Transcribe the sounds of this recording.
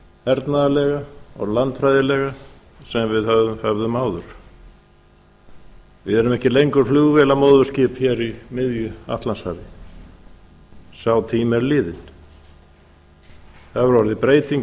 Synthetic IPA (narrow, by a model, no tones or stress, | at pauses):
ɛɾt̪naðalɛɣaɔ̰ɣlant̪fɾajðɪlɛɣa | sɛmvɪðhœvðʏmhœvðʏmaːwðʏɾ̥ | vɪðɛɾʏmɛhcɪlejŋkʏɾ̥fluːɣvɛːlamowðvʏscɪpçɛɾimɪðjʏa̰ht̪lanshavɪ | saːwt̪ʰiːmɛɾlɪːðɪn | θaðvʏɾvɔɾðɪpɾeːjt̪iŋ